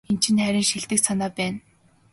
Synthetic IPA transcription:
ent͡ɕʰɪ̆nχæɾʲɪ̆ŋʃiɮt̪ɘ̆ksʰanaːpæːn

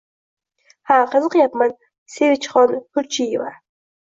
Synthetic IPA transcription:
haqɨzɨqjapman | sevɪt͡ʃχɒnhʊɾt͡ʃʰijɪva

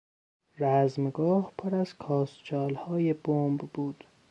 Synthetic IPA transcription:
ɾæzmɡɒːhpʰoɾæzkʰɒːst͡ʃʰɒːlhɒːjebombbuːd̪̥

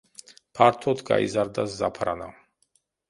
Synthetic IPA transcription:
pʰaɾt̪ʰɔt̪ʰɡa̰ḭzaɾd̪asːapʰɾana

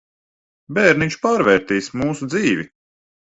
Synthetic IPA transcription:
bɛːɾnit͡ʃpaːɾvɛːɾt̪iːsmuːsud̪ziːvʲi

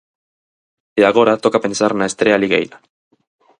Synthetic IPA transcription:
eaɣo̞ɾat̪o̞kape̞nesarenae̞st̪ɾealiɣḛjla

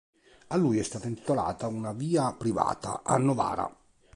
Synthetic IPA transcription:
alːujɛst̪aːt̪aint̪i̥t̪ola̰ːt̪aunaviːapɾiva̰ːt̪a̰ʔa̰nːova̰ːɾa̰

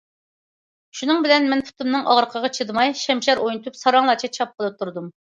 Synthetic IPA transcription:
ʃunɨŋbɪlɛnmɛnpʰu̥t̪ʰumnɨŋɑʁɾəqʰəʁɑt͡ʃʰɨd̪ɨmɑjʃɛmʃɛɾojnut̪ʰupsɑɾɑŋlˠɑt͡ʃʰɑt͡ʃʰɑp̚qʰəlˠɨp̚t̪ʰuɾd̪um

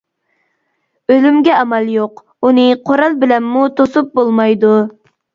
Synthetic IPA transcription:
ølymɡʲɛɑmɛlˠjoq | unɨqʰoɾɑlˠbɪlɛmːut̪ʰosup̚bolˠmɑjd̪u

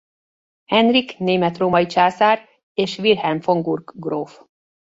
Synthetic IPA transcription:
hɛnrikneːmɛt̪roːmɒjit͡ʃaːzaːr | eːʃʋirhɛmfoŋɡurɡɡroːf

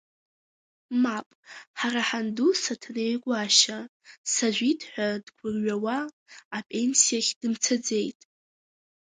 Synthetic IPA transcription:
mapʼħaraħandusatʰnejkʷʼaʃasaʒʷitʰʼħʷᶣadɡʷʰʊrɥawaː | pʼe̞nsijaχʲd̥ɨmt͡sʰad͡ze̞jtʼ

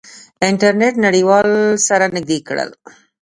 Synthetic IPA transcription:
ɪɳʈaɾneʈnaɽiwɑlsaɾanɪɡ̚d̪ikɽə̰l

